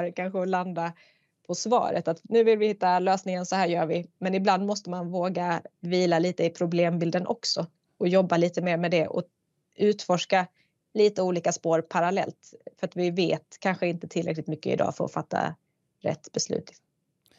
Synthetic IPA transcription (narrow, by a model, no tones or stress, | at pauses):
ɾkʰanɧəɔland̪a | pʰɔsvɑ̰ːɾə̰t̪at̪nʉ̟ːvɪlvɪhɪt̪ːaløːsnɪŋənsɔhæːɾjœːɾvɪmɛnɪbland̪mɔst̪əmanvoːɡaviːlaliːt̪əɪpʰɾʊbleːmbɪld̪ənʔɔ̰ksɔ | ɔjɔbːaliːt̪əmeːɾmɛd̪ɛʔɔ̰ | ʉ̟ːt̪fɔʂka | liːt̪əuːliːkaspoːɾpʰaɾalɛ̰lt̪fœɾat̪vɪvḛːt̪kʰanɧəɪnt̪ət̪ʰɪlɾɛ̰klɪkt̪mʏkːə̰ɪ̰d̪ɑ̰ːfœɾɔ̰fat̪ːa̰ | ɾɛ̰t̪ːbɛslʉ̟̰ːt̪ɪ